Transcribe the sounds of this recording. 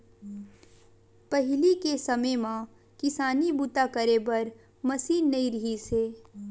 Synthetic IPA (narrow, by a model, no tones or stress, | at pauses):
pəɦɪlikesɐmemã | kɪsaːnibut̪akəɾebɐɾ | mɐsiːnːɐiɾɐɦiseː